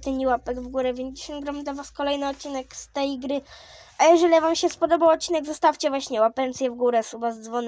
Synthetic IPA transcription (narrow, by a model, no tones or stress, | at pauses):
t̪ɛɲiwapɛɡvɡuɾɛpʲjɛɲd͡ʑeɕɔnɡɾɔmd̪ɔvaskɔlɛjnɨɔt̪̚t͡ɕːinɛkst̪ɛjɡɾɘ | ʔajɛʐɛlʲvamɕɛspɔd̪ɔbawɔt̪̚t͡ɕːinɛɡzɔst̪aft͡ɕɛvwaɕɲɛwapɛnt̪sʲjɛvɡuɾɛsubazd̪zvɔn